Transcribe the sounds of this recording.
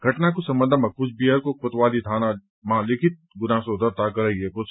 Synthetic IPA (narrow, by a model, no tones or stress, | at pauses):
ɡʱɐʈnakosɐ̃mbə̃nd̪amɐkusbiəɾkokʊt̪ʋaːlit̪ʰaːna | mãːlɪkʰɪt̪̚ɡʊnaːsod̪əɾt̪akɐɾɐiekʊt͡ʃ